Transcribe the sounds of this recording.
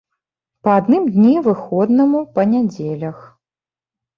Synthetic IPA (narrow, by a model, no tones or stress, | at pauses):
pɐad̪nɨmd̪ʲnʲivɨxɔd̪nɐmupɐnʲad͡zʲelʲɐx